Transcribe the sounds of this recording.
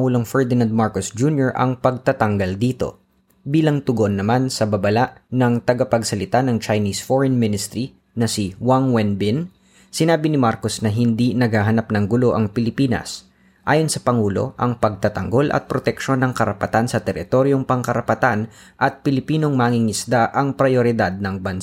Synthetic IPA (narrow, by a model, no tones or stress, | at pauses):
uːlo̞ŋfɛɹd̪ɪnand̪̚maɹkosd͡ʒunjoɹʔɐ̰ŋpɐɡ̚t̪at̪ɐŋɡald̪iːt̪o̞̰ | biːlɐŋt̪ʊɡonːɐmansɐbɐbɐlaʔnɐŋt̪ɐɡapɐɡsɐlɪt̪anɐŋt͡ʃɐjniːsfoɹɛnmɪnɪst̪ɾi | nɐsɪwaŋwɛnbɪn | sɪnaːbɪnɪmaɾko̞snɐɦɪnd̪inɐɡhaɦɐnap̚nɐŋɡʊlo̞ʔɐŋpɪlɪpiːnɐ̰s | ʔaːjonsɐpɐŋuːlo̞̰ʔɐŋpɐɡ̚t̪at̪ɐŋɡo̞lʔɐ̰t̪̚pɾot̪ɛkʃo̞nːɐŋkɐɾɐpɐt̪ansɐt̪ɛɾɪ̰t̪o̞ɾjo̞ŋpɐŋkɐɾɐpɐt̪an | ʔɐt̪̚pɪlɪpiːno̞ŋmaːŋɪŋɪsd̪aʔɐŋpɾɐjoɾɪd̪ad̪̚nɐŋbɐns